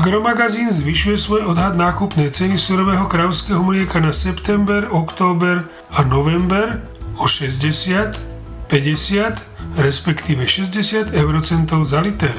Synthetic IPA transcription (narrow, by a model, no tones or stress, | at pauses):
ɡɾɔmaɡaziːnzʋiʃujɛsʋɔjɔd̪ɦad̪naːkupnɛjt͡sɛnisuɾɔʋɛːɦɔkɾaʊskɛːɦɔmɾɪɛkanasɛpt̪ɛmbɛɾɔkt̪ɔːbɛɾ | anɔʋɛmbɛɾ | ɔʃɛzɟɛsɪat̪ | pɛɟɛsɪat̪ | ɾɛspɛkt̪iːʋɛʃɛzɟɛsɪat̪ɛʊɾɔt͡sɛnt̪ɔʊzalit̪ɛɾ